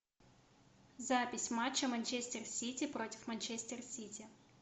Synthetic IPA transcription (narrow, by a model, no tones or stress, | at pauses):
zapʲɪsʲmat͡ɕːɐmɐnʲt͡ɕesʲtʲɪrsʲitʲɪpɾo̞tʲɪ̥fmɐnʲt͡ɕesʲtʲɪrsʲitʲɪ